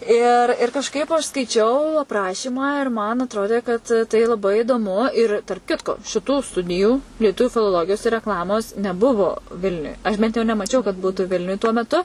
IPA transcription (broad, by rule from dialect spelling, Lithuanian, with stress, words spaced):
ɪr ɪr kɐʃˈkɐɪp ɐʃ skɐɪˈt͡ʃʲɛʊ ɐpˈrɑːʃʲiːmɑː ɪr mɐn ɐtˈroːdʲeː kɐt tɐɪ lˠɐˈbɐɪ ɪdoːˈmʊ ɪr tɐrp ˈkʲɪtkoː ʃʲɪˈtuː ˈstʊdʲɪjuː lʲiɛˈtʊʋʲʊ fʲɪlˠoːˈlˠoːɡʲɪjoːs ɪr rʲɛkˈlˠɑːmoːs nʲɛˈbʊʋoː ˈʋʲɪlʲnʲʊj ɐʃ bʲɛnt jɛʊ nʲɛmɐˈt͡ʃʲɛʊ kɐt ˈbuːtʊ ˈʋʲɪlʲnʲʊj tuɔ mʲɛˈtʊ